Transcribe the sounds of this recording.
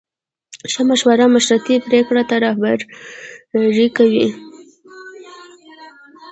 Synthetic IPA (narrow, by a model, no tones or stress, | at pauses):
ʃəmaʃwaɾamaʃɾat̪ipɾekɽat̪aɾɑhbaɾ | ɾikawi